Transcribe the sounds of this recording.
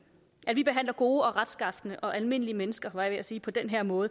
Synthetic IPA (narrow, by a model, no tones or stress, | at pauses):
æd̥ʋib̥e̝ɦæn̰lɐɡ̥o̝ːɒ̽ʁad̥sɡ̥ɑ̈fd̥nəʔɒ̽ʔælme̝n̰əliəmenəsɡ̥ɐʋɑ̈ɪʋeæsiːpʰɒ̽d̥enɦeɐ̰mɔ̽ːð̞̩ˠə